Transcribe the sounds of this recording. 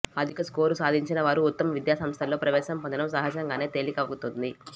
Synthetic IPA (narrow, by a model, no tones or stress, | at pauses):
ɐd̪ʱikɐsko̞ːɾusaːd̪ʱiɲt͡ʃinɐʋaːɾuːt̪ːɐmɐʋid̪jaːsɐmst̪ʰɐlːo̞ːpɾɐʋɛːʃɐmpɐnd̪ɐnɐmsɐɦɐd͡ʒɐŋɡaːne̞ːt̪e̞ːlikɐʋɐɡut̪und̪i